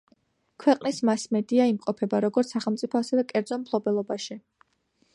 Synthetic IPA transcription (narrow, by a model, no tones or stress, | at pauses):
kʰwɛqʼnismasmɛd̪iaimqʼɔpʰɛbaɾɔɡɔɾt̪ssaχɛlˠmt̪sʼipʰɔasɛvɛkʼɛɾd̪zɔmpʰlˠɔbɛlˠɔbaʃi